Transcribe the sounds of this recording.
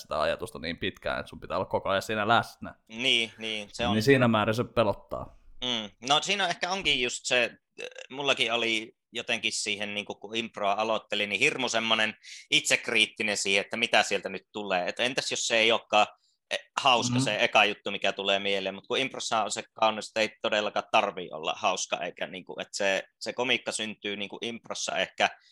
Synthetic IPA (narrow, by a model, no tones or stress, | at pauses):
si̥t̪æ̰ɑ̰jɑ̰t̪ust̪ɑniːmpit̪kæ̰ːḛt̪sumpit̪æolːɑkokoɑjɑsiːnælæsnæ̰niːniːseonisiːnæmæːriseppelot̪ːɑ̰ː | nosiːnæehkæoŋkijjust̪se | mulːɑkiʔoli | jot̪eŋkissiːhenniːŋkukkuimproɑɑlot̪ːelinihirmusemːonenit̪sekriːt̪ːinensiːheʔet̪ːæmit̪æsielt̪ænyt̪t̪ulˑeːet̪ːent̪æsjosːeeˑioːkːɑː | ʔehɑˑuskɑseʔekɑjut̪ːumikæt̪uleːmieleːmmut̪̚kuimprosːɑʔonsekkɑˑunːˑist̪eˑit̪odelːɑkɑt̪t̪ɑrʋˑḭːʔʔo̰lːɑ̰hɑˑuskɑ̰ḛˑikæniːŋkṵʔʔet̪sesekomikːɑsynt̪ˑyːniːŋkuʔimpro̰sːɑ̰ehkæ